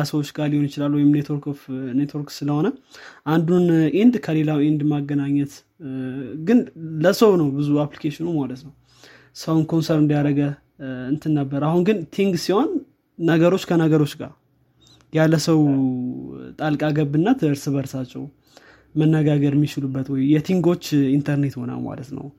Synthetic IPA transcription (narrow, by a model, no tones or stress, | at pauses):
asəwo̞t͡ʃːɡalihonjɪt͡ʃɪlalːwɔjɪmnet̪wo̞ɾkofnet̪wo̞ɾksɨləho̞nəʔand̪unʔind̪kʰəle̞lawind̪maɡːənaɲːət̪ | ɡɨnləsəwnəwbɨzuaplikʰeʃɪnəwmalət̪nəw | səwnkʰo̞nsəɾɨnd̪ijaɾəɡə | ɨnt̪ʰɨnːəbːəɾahunɡɨnt̪ʰiŋɡsiho̞nː | əɡəɾo̞t͡ʃːkʰənəɡəɾo̞t͡ʃːɡa̰ | jalːəsəw | t̪ʼalkʼaɡəbːɨnːat̪ʰɨɨɾsɨβəɾsat͡ʃːɛ̰w | mənːəɡaɡəɾmːit͡ʃɪlubːət̪wɔjjɛt̪ʰiŋɡo̞t͡ʃːint̪ʰəɾne̞t̪ho̞na̰lma̰lət̪nə̰w